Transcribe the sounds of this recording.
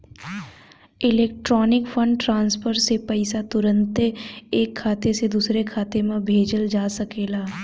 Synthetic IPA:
ɪleːk̚ʈɾɔːnɪkfʰə̃ɳɖʈɾãːnspʰəɾsepəɪsat̪ʊɾə̃nt̪eːkʰːaːt̪esed̪uːsɾekʰaːt̪emẽbʱeːd͡ʒəld͡ʒaːsɐkeːlaː

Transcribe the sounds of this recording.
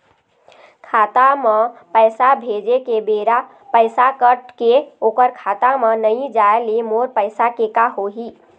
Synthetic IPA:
kʰat̪amepəjsabʱed͡ʒekebeɾa | pəɪsakəʈkeokəɾkʰat̪amənəjd͡ʒaelemoɾpəɪsakekaɦoɦi

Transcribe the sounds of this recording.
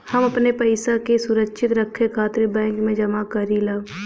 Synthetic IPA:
hɐmɐpnepɐɪsakesʊɾəkʃʰɪt̪ɾɐkʰːekʰaːt̪ɾibɛ̃ːŋkmẽd͡ʒɐmakɐɾilaː

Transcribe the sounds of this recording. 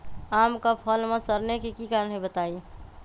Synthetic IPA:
amkapʰəlmẽsəɾnekekikaɾəɳɦebət̪ai

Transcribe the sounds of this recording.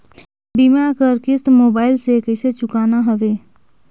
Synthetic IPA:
bimakəɾkɪst̪moːbaːɪlsekəɪset͡ʃʊkaːnaɦəʋeː

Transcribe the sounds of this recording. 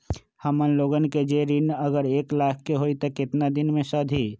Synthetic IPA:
həmənloːɡənked͡ʒeɾinəɡəɾeːklaːkʰːeɦoːit̪okɪt̪nad̪ɪnmẽsɔːd̪ʱi

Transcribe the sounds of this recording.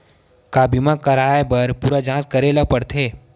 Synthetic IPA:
kaːbimãkɐɾaːebɐɾpuːɾad͡ʒãːskɐɾeləpɐɽt̪ʰeː

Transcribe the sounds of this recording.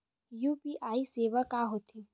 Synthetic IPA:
juːpiʔaːiseːʋakaːɦoːt̪ʰeː

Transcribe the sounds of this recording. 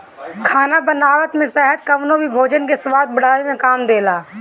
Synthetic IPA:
kʰaːnabənaːʋət̪mẽsɛɦət̪kəʋnõbʱibʱoːd͡ʒənkesʋaːd̪̚bəɽ̤aːemẽkaːmd̪eːlaː

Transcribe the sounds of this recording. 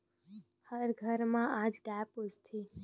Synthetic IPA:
həɾɡʱəɾmãad͡ʒɡapud͡ʒt̪ʰi

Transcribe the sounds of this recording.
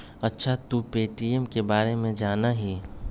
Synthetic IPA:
ɐtːʃʰat̪upeːʈiemkebaːɾemẽd͡ʒaːnaɦiː

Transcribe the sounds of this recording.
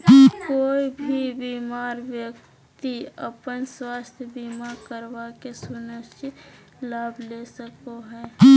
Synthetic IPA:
koːibʱibiːmaːɾʋjək̚ | t̪iə̰pənswaːst̪ʰjəbiːmaɾkəɾbakesunəʃt͡ʃɪ | laːblesəkoɦɛː

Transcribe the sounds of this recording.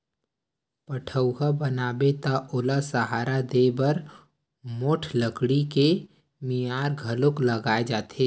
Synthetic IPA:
pəʈʰəʊɦabənaːbet̪aʔʊlasəɦaːɾad̪ebəɾ | moːʈʰləkɽike | mijaːɾɡʱəlʊkləɡaːed͡ʒaːt̪eː

